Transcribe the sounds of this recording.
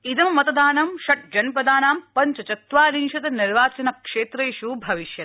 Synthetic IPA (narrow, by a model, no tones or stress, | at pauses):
id̪ɐmmɐt̪ɐd̪aːnɐmʃɐʈ̚d͡ʒɐnpɐd̪aːnaːmpɐɲt͡ʃɐt͡ʃɐt̪ʋaːliŋʃɐt̪ɐniɾʋaːt͡ʃɐnɐkʂeːt̪ɾɐʃuːbʱɐʋiʃjɐt̪